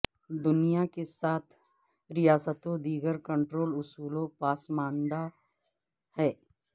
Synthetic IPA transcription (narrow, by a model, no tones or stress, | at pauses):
d̪ʊnijakesaːt̪ʰ | ɾɪjaːsət̪õd̪iːɡəɾkə̃ɳʈɾoːlʊsuːlõpaːsmãːnd̪a | hɛː